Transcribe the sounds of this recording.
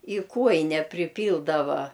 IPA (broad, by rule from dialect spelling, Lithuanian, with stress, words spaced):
ɪ ˈkuɔjɪnʲɛ pʲrʲɪˈpʲiːlˠdɐʋɐ